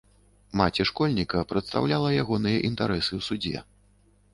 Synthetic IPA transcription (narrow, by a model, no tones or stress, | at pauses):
mat͡sʲɛʂkɔlʲnʲikɐpɾɐt̪st̪a̰wlʲalˠɐjaɣɔnɨjɐʔint̪aɾɛsɨwsud͡zʲɛ̰